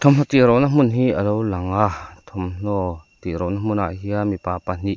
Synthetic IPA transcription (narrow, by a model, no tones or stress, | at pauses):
t̪ʰɔmnɔt̪iɾɔnam̥unɦiʔəlowlaŋat̪ʰɔmn̥ɔt̪iɾɔwnam̥una̰ʔɦiamipaːpan̥iʔ